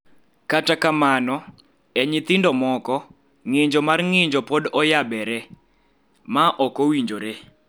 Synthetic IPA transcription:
katakamanɔ | ɛɲɪt̪ɪndɔmɔkɔ | ŋɪɲd͡ʒɔmarŋɪɲd͡ʒɔpodɔjabɛɾɛ | maʔɔkowiɲd͡ʒoɾe

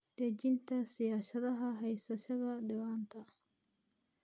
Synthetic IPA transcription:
ɖɛd͡ʒɪnt̪ʰɐsɪjaːʃɐðɐɦɐɦɛjsɐʃɐðɐɖɪwaːnt̪ʰɐ

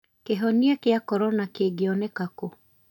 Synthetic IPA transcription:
keɦɔniakeakɔɾɔnakeɡeɔnekako

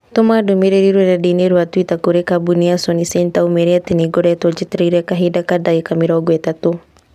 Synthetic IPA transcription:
tomadumiɾeɾiɾwɛɾadineɾuatwitakuɾekabuniasɔnisɛntaumeɾiatiniɡɔɾɛtɔd͡ʒitɾeɾɛkaɦidakadaikamiɾaɡwɛtato

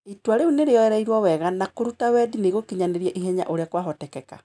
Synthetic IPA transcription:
itwaɾeuneɾeɔɛɾaiɾwɔwɛɣanakoɾutawɛdineɣokiɲaneɾiɛʔiɦɛɲa̰ʔoɾeakwaɦɔtɛkɛka̰

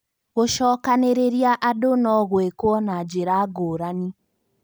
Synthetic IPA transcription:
ɣoʃɔːkaneɾeɾijaʔadonɔɣwekwɔnad͡ʒeɾaɡoɾani

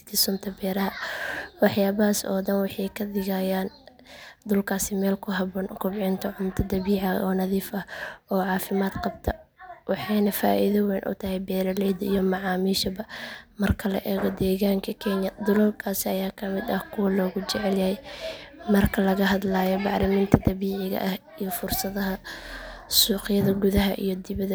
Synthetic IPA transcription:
t̪ʰiːsʊnt̪ʰɐbɛːɾɐɦɐwɑħjaːβɐɦaːsɔ̰ːd̪ɐnwɑħɑjkʰɐd̪ɪɣajaːn | d̪ʊlkʰaːsɪmɛːlkʰʊɦɐβɔːnkʰʊbʕɪnt̪ʰɐʕʊmt̪ʰɐd̪ɐβiːʕɑɔːnɐðiːfɐhɔːʕɑːfɪmaːd̪qɑb̚t̪ʰɐwɑħɑjnɐfa̰ːʔḭðɐwɛjnʔʊ̰t̪ʰɐhɛjbɛːɾɐlɛjd̪ɐijɔmɑʕɑːmiːʃɐbɐmɐrkʰɐlɐ̰ʔɛːɣɔd̪ɛːɣaːŋkʰɐkʰɛɲjɐd̪ʊlɔlkʰaːsɪɐjaːkʰɐmɪd̪ɐhkʰʊwɐlɔːɣʊt͡ʃɛʕɛljɐhɛjmɐrkʰɐlɐɣɐɦɐd̪laːjɔbɑʕɾɪmiːnt̪ʰɐd̪ɐβiːʕɪɣɐ̰ʔɐh | ijɔfʊrsɐðɐɦɐ | suːqɪjɐðɐɡuðɐɦɐ̰ʔḭjɞd̪ɪβɐðɐ

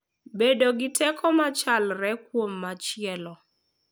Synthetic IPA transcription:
bedoɡɪtʰɛkʰɔmat͡ʃalɾɛkwomːat͡ʃɪɛlɔ

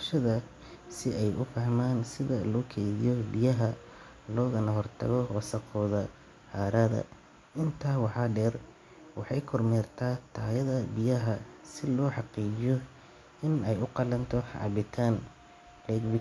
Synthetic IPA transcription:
ʃɐðɐ | sɪɛjʔʊfɐhmaːnsɪðɐlɔːkʰɛːðɪjɔbɪjɐɦɐ | lɔːɣɐnɐɦɔrt̪ʰɐ̰ɣɔwɑsɐqʰɔːðɐ | haːɾaðɐ̰ | ɪnt̪ʰaːwɑħɑːɖɛːr | wɑħɑjkʰɔrmɛːrt̪ʰaːt̪ʰaːjɐðɐbɪjɐɦɐsɪlɔːħɑqiːt͡ʃɪjɔ | ɪnɛjʊqɑlɐnt̪ʰɔʕɑ̰bɪt̪ʰaːn | lɛːɡbɪ

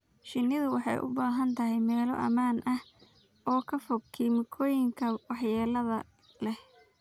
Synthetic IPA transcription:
ʃɪnːɪðʊwɑħɑ̰jʔʊ̰baːɦɐnt̪ʰɐɦɛjmɛːlɔ̰ʔɐ̰maːnʔɐh | ɔːkʰɐfɔɡkʰiːmɪkʰɔːjɪŋkʰɐwɑħjaːlɐðɐ | lɛh

